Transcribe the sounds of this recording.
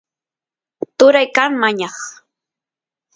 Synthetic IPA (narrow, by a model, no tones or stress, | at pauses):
t̪ʊɾajkaŋmaɲɑχ